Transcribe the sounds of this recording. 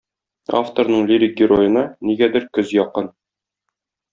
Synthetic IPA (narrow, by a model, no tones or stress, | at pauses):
a̰ft̪oɾnɤɴlʲiɾʲik̚ɡʲɪɾojɤ̆nɑniɡæd̪ɘɾkɵzjɒqɤn